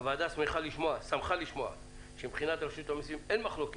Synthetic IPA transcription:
vaːd̪asmeχaliʃmoasamχaliʃmoa̰ | ʃembχinat̪ʁeʃut̪amisvimenmaχloke

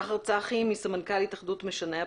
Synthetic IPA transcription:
χaʁt͡saχimisamankalit̪aχdutmeʃane

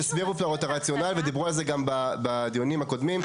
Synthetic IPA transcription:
isbiʁuplaʁot̪aʁat͡sjo̞nalved̪ibʁualze̞ɡambabad̪ijonimhako̞d̪mim

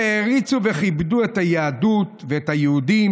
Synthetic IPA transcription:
eʁit͡suve̞χibduethajaadut̪veetajeudim

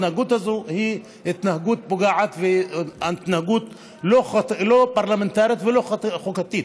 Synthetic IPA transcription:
nahaɡut̪hazohi | it̪nahaɡut̪̚boɡaʕat̪veat̪nahaɡut̪ | lolopaʁlament̪aʁjit̪veloχχokat̪it̪

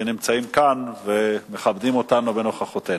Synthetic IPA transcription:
enimt͡saimkanve̞me̞χabdimo̞tanobe̞no̞χaχot̪e

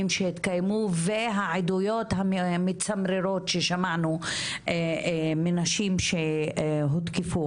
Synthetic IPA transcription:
imʃehit̪kajmuveɦaʕid̪ujo̞t̪hamet͡samɾeɾo̞t̪ʃeʃamanu | menaʃimʃeɦot̪kefu

